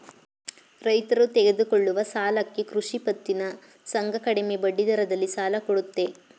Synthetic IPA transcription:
ɾɐjt̪ɐɾut̪ɛɡe̞d̪ukoɭːuʋɐsaːlɐkːe̞kɾuʂipɐt̪ːinɐ | sɐŋɡɐkɐɽemebɐɖːid̪ɐɾɐd̪ɐlːisaːlɐkoɽut̪ːe

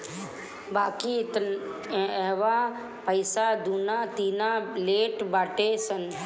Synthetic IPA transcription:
baːkit̪ənɛɦʋaː | pəɪsaːd̪uːnaːt̪iːnaleːʈbaːʈesən

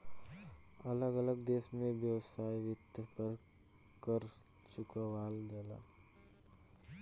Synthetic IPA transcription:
ɐləɡələɡd̪eːsmẽbjəwsaːiʋɪt̪əpəɾ | kəɾ | t͡ʃʊkəʋaːlɡɛːla̰ː

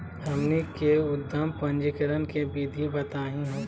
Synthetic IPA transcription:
hɐlnikeʊd̪ʱːəmpɐ̃nd͡ʒikəɾənkebiːd̪ʱibɐt̪aːɦĩɦɛ̃ː

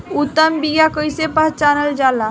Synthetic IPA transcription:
ut̪ːəmbiɡjakəjsepaɦt͡ʃanəld͡ʒala

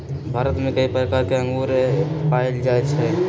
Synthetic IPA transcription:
bʱaɾət̪mẽkəipɾəkaɾkeə̃ŋɡuɾepaild͡ʒaet͡ʃʰɛ

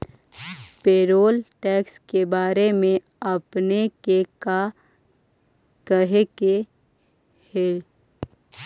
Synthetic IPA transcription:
peːɾoːlʈɛːkskebaːɾemẽ | ɐpnekeka | kəɦeke | he

